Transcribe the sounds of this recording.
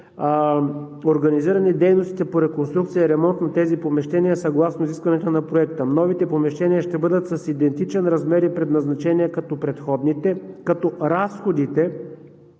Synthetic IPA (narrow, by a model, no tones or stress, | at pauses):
oɾɡɐniziɾɐnid̪ɛjnost̪it̪ɛpoɾɛkonst̪ɾukt̪sijəɐɾɛmɔnt̪nɐt̪ɛzipomɛʃt̪ɛniəsɐɡlˠasnoiziskvɐnɛt̪onɐpɾoɛkt̪ənɔvit̪ɛpomɛʃt̪ɛniəʃt̪ɛbɤd̪ət̪sɐsid̪ɛnt̪it͡ʃɛnɾɐzmɛɾipɾɛd̪nɐznɐt͡ʃɛniɛkɐt̪ɔpɾɛt̪xɔd̪nit̪ɛkɐt̪ɔɾasxod̪it̪ɛ